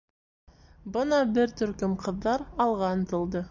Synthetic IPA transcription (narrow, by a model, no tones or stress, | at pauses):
bɤnɑbɘɾt̪ɵ̆ɾkɵmqʰɤ̆ðːɑɾɑlˠʁɑnt̪ɤ̆lˠd̪ɤ